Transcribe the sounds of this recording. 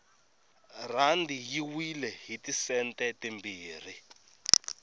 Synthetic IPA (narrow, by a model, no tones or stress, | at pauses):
randʱijiwilɛɦitisɛntʼɛtembiːr̤i